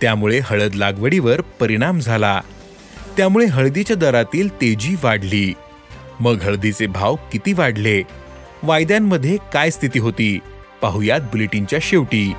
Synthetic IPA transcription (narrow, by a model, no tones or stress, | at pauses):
t̪jamuɭeɦəɭəd̪laɡʋəɽiʋəɾpəɾiɽ̃amd͡zʱala | t̪jamuɭeɦəɭd̪it͡ɕjad̪əɾat̪iːlt̪ed͡ʑiːʋaɽliː | məɡɦəɭd̪it͡sebʱawkit̪iːʋaɽle | ʋajd̪jamːəd̪ʱːjekajst̪ʰit̪iːɦot̪iː | paɦujat̪̚buleʈiɲt͡ɕjaɕeʋʈiː